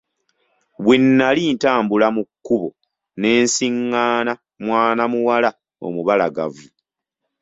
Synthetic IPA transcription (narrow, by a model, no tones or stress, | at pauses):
βwinːaliːntaːmbulamukːuβo̞ | ne̞ːnsiŋːaːna | mwaːnamuwala | o̰muβalaɡa̰vu